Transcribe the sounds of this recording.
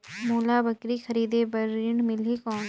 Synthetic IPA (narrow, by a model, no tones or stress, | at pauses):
moːlaːbɐkɾixɐɾiːd̪ebɐɾiɳmɪlɦikɔːn